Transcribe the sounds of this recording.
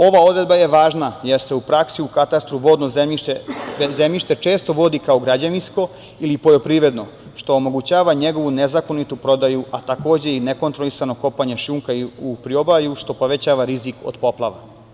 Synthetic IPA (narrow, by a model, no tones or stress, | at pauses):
o̞ʋao̞d̪ɾe̞d̪̚baje̞ʋaːʒnaje̞ɾse̞upɾaksiukat̪ast̪ɾuʋo̞ːd̪nozei | zemʎiʃt̪e̞t͡ʃe̞ːst̪o̞ʋo̞d̪ikao̞ɡɾad͡ʑaninsko̞ | ilipo̞jo̞pɾiːʋɾe̞d̪no̞ | ʃt̪o̞ːmo̞ɡut͡ɕaːʋaɲe̞ɡo̞ʋunezako̞nit̪upɾo̞d̪ajuʔat̪ako̞ːd͡ʑe̞ineko̞nt̪ɾolisano̞ko̞paɲe̞ʃuːŋkaiupɾio̞bajuʃt̪o̞po̞ʋe̞t͡ɕaːʋaɾiziko̰d̪po̞plˠaʋa̰